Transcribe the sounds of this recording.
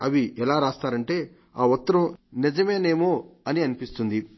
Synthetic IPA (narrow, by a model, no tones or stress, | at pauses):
ɐʋiʔɛlaːɾaːst̪aːɾɐɳʈe̞ː | aːut̪ːɐɾɐmnid͡ʒɐme̞ːne̞ːmoːɐniɐnipist̪und̪i